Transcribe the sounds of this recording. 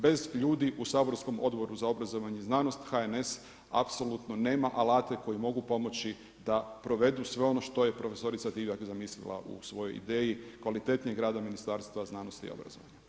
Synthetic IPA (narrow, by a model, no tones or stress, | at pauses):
be̞zʎuːd̪iʔusaːbo̞ɾsko̞mo̞d̪bo̞ɾuzao̞bɾazoʋaɲeiznaːnost̪xaene̞s | a̰pso̞lˠut̪none̞ːmaʔalaːt̪e̞ko̞jimo̞ɡupo̞mo̞t͡ʃi | d̪apɾo̞ʋe̞d̪usʋe̞o̞no̞ʃt̪o̞je̞pɾo̞fe̞so̞ɾit̪sad̪iʋjakzamislḭlˠa̰ʔṵsʋo̞jo̞jḭd̪eːjikʋalit̪e̞t̪nijeɡɾaːd̪aminist̪aɾst̪ʋaznaːnost̪ḭo̰bɾa̰zo̰ʋaɲa